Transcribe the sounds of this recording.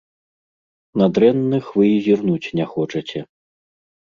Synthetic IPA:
nad̪ɾɛnːɨxvɨzʲirnut͡sʲnʲɛxɔt͡ʂɐt͡sʲɛ

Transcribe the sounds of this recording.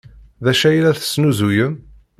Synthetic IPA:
ðæʃæjlæθə̥snuzujəm

